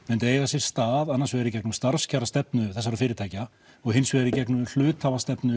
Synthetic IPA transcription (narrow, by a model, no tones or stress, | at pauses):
mɛnt̪eːjɣasjɛɾ̥st̪aːðanːaɾsvɛːɣɾɪcɛknʏmst̪aɾ̥scʰaːɾast̪ɛpnʏθɛs̬ːaɾafɪːɾɪt̪ʰaːjca | ɔɣɦɪnsvɛɛɾicɛknʏml̥ʏːt̪havast̪ɛpnʏ